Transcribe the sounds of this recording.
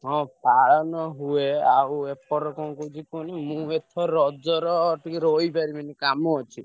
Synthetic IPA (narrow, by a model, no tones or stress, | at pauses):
ɦɔ̃paɭɔnɔɦueawepɔɾɔkɔ̃kud͡ʒikɔnimũet̪ʰɔɾɔd͡ʒɔɾɔʈikɾoipaɾimanikamɔɔt͡ʃʰi